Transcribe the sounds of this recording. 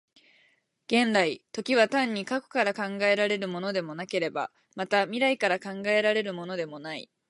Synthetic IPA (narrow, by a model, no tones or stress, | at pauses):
ɡ̥ẽ̞nɾait̪o̞kʲiβ̞at̪ãɲ̟ːikako̥kaɾakãŋɡae̞ɾaɾe̞ɾɯ̟mo̞no̞d̪e̞mo̞nake̞ɾe̞ba̰ | mat̪amʲiɾaikaɾakãŋɡae̞ɾaɾe̞ɾɯ̟mo̞no̞d̪e̞mo̞nai